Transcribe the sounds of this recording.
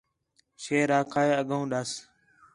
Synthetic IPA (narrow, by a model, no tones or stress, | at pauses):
ʃeːɾaːkʰaːeːəɡəũːɗas